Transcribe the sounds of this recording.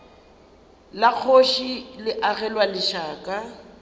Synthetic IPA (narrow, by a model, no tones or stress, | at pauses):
lak͡xʰoʃilɪʔaɣɛlwalɪʃaːkʼa